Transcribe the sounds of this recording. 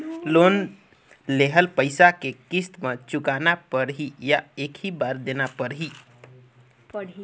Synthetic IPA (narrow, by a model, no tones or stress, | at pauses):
lon | leɦəlpəɪsakekist̪met͡ʃukanapəɾɦijaekʰibaɾd̪enapəɾɦi